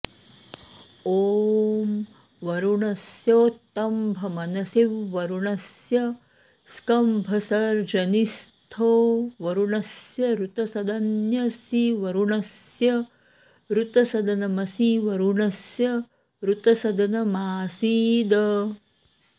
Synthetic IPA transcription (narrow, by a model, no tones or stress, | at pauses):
oːm | ʋɐɾuɳɐsjoːt̪ːɐmbʱɐmɐnɐsiʋʋɐɾuɳɐsjɐ | skɐmbʱɐsɐɾd͡ʒɐnist̪ʰoːʋɐɾuɳɐsjɐɾut̪ɐsɐd̪ɐnjɐsiʋɐɾuɳɐsjɐ | ɾut̪ɐsɐd̪ɐnɐmɐsiʋɐɾuɳɐsjɐ | ɾut̪ɐsɐd̪ɐnɐmaːsiːd̪ɐ